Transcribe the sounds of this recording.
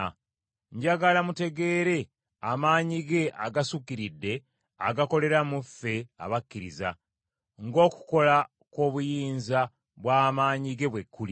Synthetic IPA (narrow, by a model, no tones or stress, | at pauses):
ɲɟaɡalamute̞ɡe̞ːɾe̞ | amaːɲiɡe̞ʔaɡasukiɾidːe̞ | a̰ɡako̞le̞ɾamufːe̞a̰βakːiɾḭza̰ | ŋɡo̞ːku̥ko̞la | ko̞ːβujiːnza | βwaːmaːɲiɡe̞βwe̞kʰːuli